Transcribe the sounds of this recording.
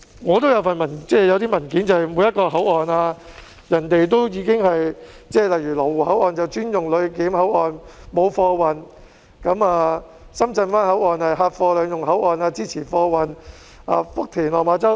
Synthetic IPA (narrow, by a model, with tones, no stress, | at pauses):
ŋɔː˨˧t̪̬o˥wjɐ˨˧wfɐ˨nmɐ˨˩nt͡sɛː˥˩jɐ˨˧wt̪iː˥mɐ˨˩nkiː˨˥nt͡sɐ˨whɐ˨˩jmuː˨˧jɐ˥t̚kɔː˧ɦɐ˨˥wɔː˨naː˧ | jɐ˨˩nt̪e˨jt̪o˥wjiː˧kɪ˥ŋhɐ˨jt͡sɛː˥˩lɐ˨jyː˨˩lɔ˨˩wuː˨˩hɐ˨˥wʔɔː˨˩nt͡sɐ˨wt͡ʃyː˥njʊ˨ŋlɵ˨˧ɥkiː˨˥mhɐ˨˥wɔː˨˩nmo˨˧wfɔː˧wɐ˨n | kɐ˨˥maː˨˧ | sɐ˥mt͡sɐ˧nfaː˥nhɐ˨˥wʔɔː˨nhɐ˨jɦaː˧t̚fɔː˧lœː˨˧ŋjʊ˨ŋɦɐ˨˥wɔː˨naː˧t͡siː˥t͡sʰiː˨˩fɔː˧wɐ˨n | ʔa̰ː˨˩fʊ˥k̚t̪ʰiː˨˩nlɔː˨˩maː˨˧t͡sɐ˥w